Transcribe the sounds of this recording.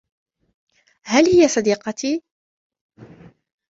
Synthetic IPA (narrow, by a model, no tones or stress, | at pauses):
hælhɪjasˤɑd̪iːqɑt̪iː